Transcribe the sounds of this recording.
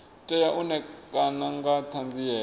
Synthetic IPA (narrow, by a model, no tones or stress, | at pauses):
tʼɛjaʔunɛkʼanaŋɡatʰand͡zijɛː